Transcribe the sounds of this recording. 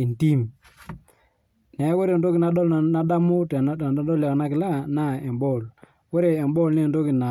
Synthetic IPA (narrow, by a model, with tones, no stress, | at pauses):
i˨nti˦m | nɛ˨˦ko˦ɾe˨ndo˦kɪ˨na˨ɗɔ˦lna˨˦da˦mo˦tɛ˨˦dɔ˦lja˨kna˦kɪ˨la˦˨na˦˨ɛ˨mbɔ˦˨l | ko˦ɾe˨ɛ˨mbɔ˦˨lne˦˨ndo˦ki˨na˨